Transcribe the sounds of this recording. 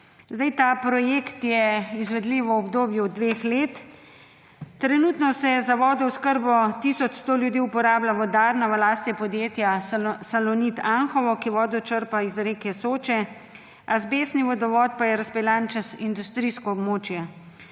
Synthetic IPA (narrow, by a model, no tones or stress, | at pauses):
zd̪ajt̪aːpɾɔjeːkt̪jɛizʋɛd̪liʋɔɔbd̪oːbjud̪ʋeːxleːt̪ | ɾɛnut̪nɔsɛjɛzaʋɔːd̪ɔwskəɾbɔt̪iːsɔt͡ʃst̪oːljud̪iːupɔɾaːblaʋɔd̪aɾnaʋɐlaːst̪jɛpɔd̪jeːt̪jasalɔnit̪anxɔʋɔkiʋɔːd̪ɔt͡ʃəɾpaizɾeːkɛsoːt͡ʃɛ | azbeːsniʋɔd̪ɔʋɔːt̪̚pajɛɾaspɛlant͡ʃɛsind̪ust̪ɾiskɔːbmoːt͡ʃjɛ